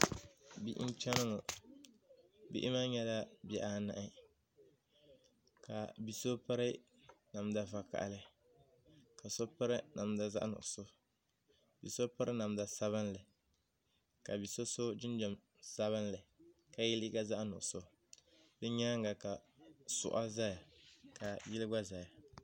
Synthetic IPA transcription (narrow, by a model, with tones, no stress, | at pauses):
bi˦ʔn̩˦t͡ʃɛ˦nɨ˦ŋɔ˨ | bḭ˦ʔɪ̰˦ma˦ɲɛ˦la˦bɛ˨ʔa˦na̰˨ʔɪ˦ | ka̰˨bi˨so˦pɨ˦ɾɪ˦ | na˨mda˨va˨ka̰˨ʔlɨ˦ | ka˨so˦pɨ˦ɾɪ˦na˨mda˨za̰˦ʔnʊ̰˨ʔso˦ | bi˨so˦pɨ˦ɾɨ˦na˨mda˨sa˦βɨ˦n˦lɨ˨ | ka˨bi˨so˦so˦d͡ʒɪ˦n˦d͡ʒɔ˨m | sa˦βɨ˦nlɨ˨ka˨ji˦li˦ɡa˦za˦ʔnʊ̰˨ʔso˦ | bɨ˦ɲa˦ŋ˦ɡa˨ka˨sʊ̰˨ʔa˦za˦ja˨ka˨jɪ˦lɨ˦ɡ͡ba˦za˨ja˨